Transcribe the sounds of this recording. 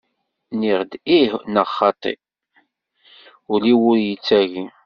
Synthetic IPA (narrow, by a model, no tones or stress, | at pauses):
niʁd̪ihnəʁχɑt̪ˤḭ | ʊliwʊɾjit͡sːæʝi